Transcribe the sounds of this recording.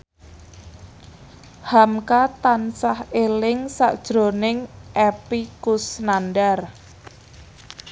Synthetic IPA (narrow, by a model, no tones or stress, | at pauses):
hamkat̪ansahelɪŋsa̰ʔd̥ʒ̥ɾo̤nɪŋʔepikusnanɖar